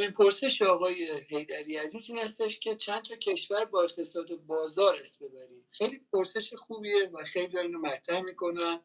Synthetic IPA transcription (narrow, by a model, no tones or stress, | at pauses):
inpʰo̞ɾse̞ʃeɒːɣɒːje̞ɦe̞jd̪æɾiːæziːziːnæst̪eʃcʲʰe̞t͡ʃʰænd̪t̪ʰɒcʰe̞ʃvæɾbɒːe̞qt̪ʰe̞sɒːd̪obɒːzɒːɾæst̪be̞bæɾiːd̪̥xejlipʰoɾse̞ʃexuːbievæxejlid̪ɒɾinomætt̪ʰɾæhmiːkʰo̞næn